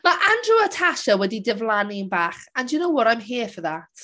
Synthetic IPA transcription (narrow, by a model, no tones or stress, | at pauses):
maʔandruətʰaʃəwɛdidɛvlˠaninbaːχandjunowɔɾajmɦeːfəðatʰ